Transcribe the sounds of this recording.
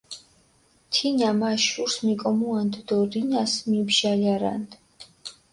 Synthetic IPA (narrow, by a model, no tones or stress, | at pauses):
t̪ʰinamaʃuɾsmikʼɔmuand̪d̪ɔɾinasmibʒaljaɾa̰nd̪